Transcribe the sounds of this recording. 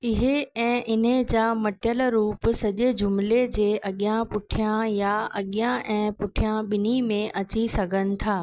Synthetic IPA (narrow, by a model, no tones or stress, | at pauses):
ɪɦeɛ̃ːʔɪnəd͡ʑaːmɐʈjəlɾuːpʊsɐʄed͡ʑʊmled͡ʑeːʔɐɠijãpʊʈʰijãjaɐɠjãʔɛ̃ːpʊʈʰijãɓɪnimẽʔɐt͡ɕisɐɡʱənɪ̆t̪ʰaː